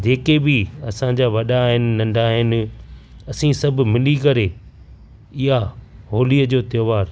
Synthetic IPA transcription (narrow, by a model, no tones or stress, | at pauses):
d͡ʑeːkebɪɐsãd͡ʑaːʋɐɗaɦɪnɪ̆nɐ̃ɳɖʱaɦɪnɪ̆ɐsĩsɐbʱʊ̆mɪlikɐɾe | ɪɦaɦoːliəd͡ʑoːt̪joːʋaːɾ